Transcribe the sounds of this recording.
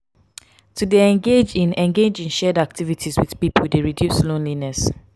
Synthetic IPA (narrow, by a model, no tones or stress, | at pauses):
tʰudeɛ̃ŋɡed͡ʒĩnɛ̃ŋɡed͡ʒĩnʃɛdak̚tʰivitʰizwið̥pipʰədeɹidjuslõnlinɛs